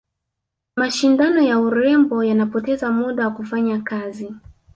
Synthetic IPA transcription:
maʃindanɔjauɾɛmbɔjanapɔtɛzamuɗawakufaɲakazi

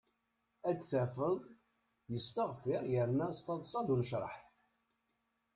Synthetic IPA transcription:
æd̪θæfəðˤ | jəst̪əʁfɪɾˤjəɾnæst̪ˤɑðˤsˤɑd̪unʃɾˤə̰ħθ

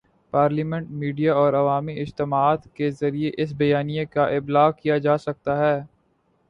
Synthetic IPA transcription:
paːɾliːmɛ̃ɳʈ̚miːɖijaɔːɾɐʋaːmiɪd͡ʒt̪ɪmaːt̪kezɐɾieʔɪs̬bɐjaːnijekaʔɪblaːɣkijad͡ʒaːsɐk̚t̪aɦɛː

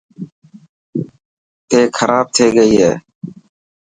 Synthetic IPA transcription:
t̪eːkʰəɾʔaːb̚t̪ʰeːɡəiːɦḛː

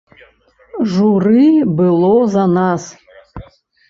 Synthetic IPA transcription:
ʐurɨbɨlˠɔzanas

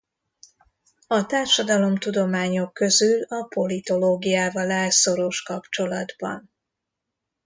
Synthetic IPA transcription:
ɒt̪aːrʃɒd̪ɒlo̞mt̪ud̪o̞maːɲo̞kːø̞zylɒpo̞lit̪o̞loːɡijaːvɒlɛlso̞ɾo̞ʃkɒpt͡ʃo̞lɒd̪bɒ̰n

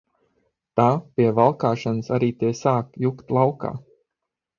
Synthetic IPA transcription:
t̪aːpʲiɛvalˠkaːʃanɨsaɾiːt̪eːsaːkjukt̪lˠawka̰ː

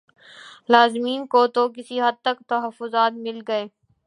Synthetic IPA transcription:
laːzmiːnkot̪ok̬ɪsiɦɐd̪̚t̪ɐkt̪ɐɦəfːʊzaːt̪mɪlɡɐeː

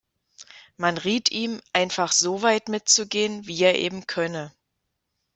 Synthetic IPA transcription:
manʁiːtʔiːmʔaɪnfaχz̥oːvaɪtmɪtt͡suɡeːənviːeːɐʔeːbm̩kʰœnə

